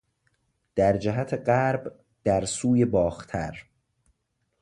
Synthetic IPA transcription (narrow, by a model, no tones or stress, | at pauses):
d̪̥æɾd͡ʒæɦæt̪ʰeɢæɾb | d̪̥æɾsuːje̞bɒːxt̪ʰæɾ